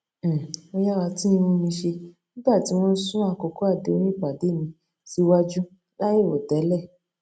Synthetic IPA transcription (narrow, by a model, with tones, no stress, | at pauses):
o˧ja˦˨wa˧ti˦ĩ˧mõ˦mĩ˧ʃe˧nĩ˦ba˦˨ti˨˦w̃ɔ̃˦sũ˦a˦˧˨ko˧ko˦a˦˨de˨o˦ɾĩ˦˨k͡pa˨de˨˦˨nĩ˧ | si˧˦wa˦d͡ʒu˦ | la˦ji˦˨wo˨tɛ˨˦lɛ˦˨